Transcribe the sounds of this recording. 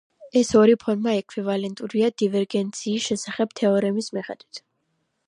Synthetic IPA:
ɛsɔɾipʰɔnmaɛkʰwivalɛnt̪ʼuɾiad̪̥ivɛɾɡɛnt̪sʰiːsʃɛsaχɛb̥̚t̪ʰɛɔɾɛmismiχɛd̪wit̪ʰ

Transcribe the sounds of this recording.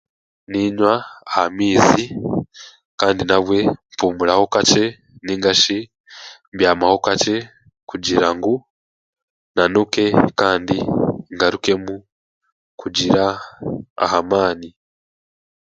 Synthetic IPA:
niɲwaːhamiːzi | kaːndinaβwe̞mpuːmuɾaho̞kace̞ | niːŋɡaʃi | bjaːmaho̞kat͡ʃe̞ | kuɟiɾaŋɡu | nanuke̞kaːndiŋɡaɾuke̞mu | kuɟiɾa | a̰hamaːni

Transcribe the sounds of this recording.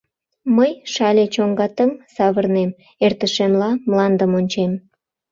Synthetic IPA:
məjʃɑlʲet͡ɕoŋɡɑt̪əŋsɑβərnem | ert̪əʃemlɑmlɑnd̪əmonʲt͡ɕem

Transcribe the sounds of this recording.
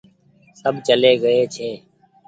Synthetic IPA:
səbt͡ʃəleːɡəeːt͡ʃʰeː

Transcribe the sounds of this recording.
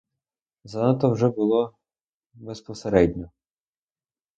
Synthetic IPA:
zɐnat̪ɔwʒɛbʊlˠɔ | bespɔseɾɛdʲnʲɔ

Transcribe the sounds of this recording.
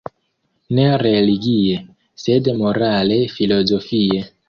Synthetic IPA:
neɾeliɡie | sedmo̞ɾale̞filo̞zo̞fie

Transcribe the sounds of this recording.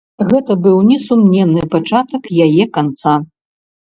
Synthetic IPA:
ɣɛt̪ɐbɨwnʲɛsumnʲɛnːɨpat͡ʂat̪ɐkjajɛkant̪sa

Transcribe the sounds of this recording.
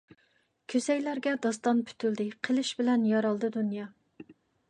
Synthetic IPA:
kʲʰøsɛjlæɾɡʲɛd̪ɑst̪ɑnpʰy̥t̪ʰyld̪ɪqʰəlˠɨʃbɪlɛnjɑɾɑlˠd̪ɨd̪unjɑ

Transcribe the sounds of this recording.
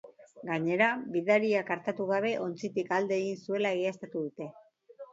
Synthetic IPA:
ɡaɲe̞ɾabiðaɾiakaɾt̪at̪uɣ̞aβ̞e̞ʔo̞nt͡sit̪ikald̪e̞ːɣinsue̞laeɣiast̪at̪uðut̪e̞

